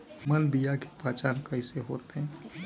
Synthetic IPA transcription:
məlbijake̥paːt͡ʃaːnkəiseɦoːt̪eɦɛ̃

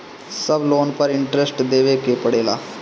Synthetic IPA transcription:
səbloːnpəɾɪɳʈɾesʈd̪eːʋekepəɽeːla̰ː

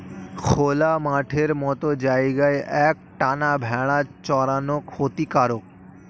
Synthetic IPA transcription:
kʰolamaʈʰeɾmɔt̪od͡ʑaeɡaeʔɛk̚ʈanabʱɛɭ̃at͡ɕɔɾanokʰhot̪ikaɾok̚

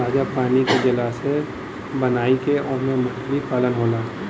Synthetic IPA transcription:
aːd͡ʒapaːniked͡ʒɐlaːse | bɐnaːikeɔːmẽmʊʃklipaːlənɦoːlaː

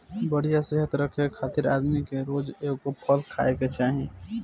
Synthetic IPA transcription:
bəɽ̤ijaseɦət̪ɾəkʰekʰaːt̪ɪɾa̰ːd̪mikeɾoːd͡ʒeːkkopʰəlkʰa̰ːeket͡ʃaːɦĩ

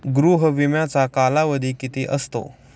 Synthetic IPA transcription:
ɡɾuɦʋimjat͡sakalaʋəd̪ʱiːkit̪iːʔəst̪o̰

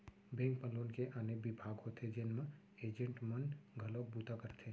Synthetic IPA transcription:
bẽːŋk̚pəloːnkeʔanebɪbʱaːɡɦot̪ʰed͡ʒenmẽ | eːd͡ʒə̃ɳʈmənɡʱəloːk̚but̪akəɾt̪ʰeː

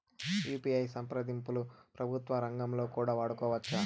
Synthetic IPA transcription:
juːpiːɐjsɐmpɾɐd̪impulupɾɐbʱut̪ʋɐɾɐŋɡɐmlo̞ːkuːɽaːʋaːɽukɔːʋɐt͡ʃːa

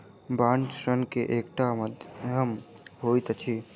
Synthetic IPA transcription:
baːnt͡ʃʃɾənkeʔeːkʈamd̪əm | ɦoːit̪t͡ʃʰi

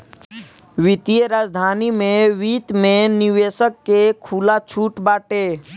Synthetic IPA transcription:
ʋɪt̪ieɾaːd͡ʒd̪ʱaːnimẽʋiːt̪mẽnɪʋeːsəkːekʰuːlat͡ʃʰuːʈbaːʈeː

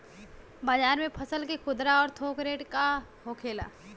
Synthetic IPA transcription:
baːd͡ʒaːɾmẽpʰəsəlkekʰʊd̪ɾaɔːɾt̪ʰoːkɾeːʈkaɦoːkʰeːla̰ː

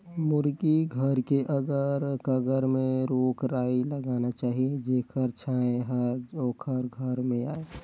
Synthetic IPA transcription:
mʊɾɡiɡʱəɾkeʔəɡəɾkəɡəɾmẽɾoːkɾaːiləɡaːnat͡ʃaːɦied͡ʒeːkʰəɾt͡ʃʰaːẽɦəɾoːkʰəɾɡʱəɾmẽaːe

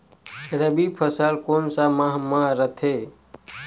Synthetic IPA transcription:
ɾəbipʰəsəlkonsamaɦmaɾət̪ʰe

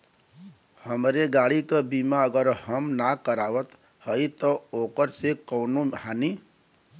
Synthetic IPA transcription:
həmɾeɡaɽikəbimaəɡəɾɦəmnakəɾaʋət̪ | həjt̪ɔokəɾsekəʊnoɦani

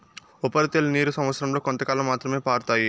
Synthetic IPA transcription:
upɐɾit̪elniːɾusɐmʋɐt̪sɾɐmloːkont̪ɐkaːlɐmːaːt̪ɾɐme̞ːpaːɾt̪aːji

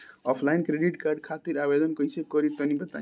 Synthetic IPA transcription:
ɔpʰlajnkɾeɖiʈkarɖ̚kʰat̪iɾabed̪ʌnkʌiseb̚kʌɾit̪ʌnibʌt̪a̰

